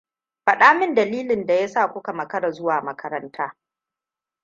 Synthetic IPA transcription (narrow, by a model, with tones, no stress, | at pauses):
ɸɐ˨ɗaː˦mɪ˦ndɐ˨liː˦lɪ˨nda˨ja˦saː˦˨kʷʊ˦ka˨mɐ˨kɐ˦ɽa˨zʊ˦waː˨mɐ˦kʰɐ˦ɾɐ˦ntʰaː˦